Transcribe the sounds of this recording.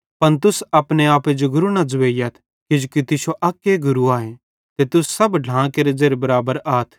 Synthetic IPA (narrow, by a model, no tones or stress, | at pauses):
pɐnt̪ʊsɐpneaːped͡ʒoɡʊɾunɐd͡zʊʋeːɪjat̪ʰ | kɪd͡ʒukit̪ɪʃoʔɐkːeɡʊɾuaːɦẽ | t̪et̪ʊsːɐbɖʱãːkeːɾed͡zeːɾebɐɾaːbəɾaːt̪ʰ